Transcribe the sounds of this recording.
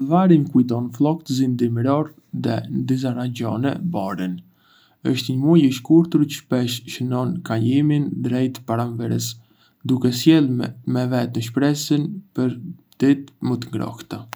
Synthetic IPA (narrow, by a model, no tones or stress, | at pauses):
vaɾimkujd̪ɔnflˠɔkt̪zind̪imɾɔɾ | ðɛ̰nd̪izaɾaɲɟɔnɛ̰bɔɾin | əʃt̪ɲəmujəʃkuɾt̪uɾcə̥ʃpɛʃʃənɔnkaɲimind̪ɾɛjt̪paɾanvɛɾɛs | d̪ukɛsjɛlˠmɛvɛt̪nəʃpɾɛsənpəɾ | d̪̥ɛt̪mət̪əŋɡɾɔ̰ht̪ə